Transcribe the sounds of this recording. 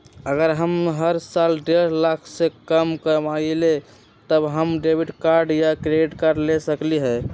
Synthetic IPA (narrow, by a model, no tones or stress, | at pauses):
əɡəɾɦəmɦəɾsalɖeɾlakʰsekəmkəmaile | t̪əbɦəmɖebiɖkaɾɖjakɾeɖiʈkaɾɖlesəkliɦɛ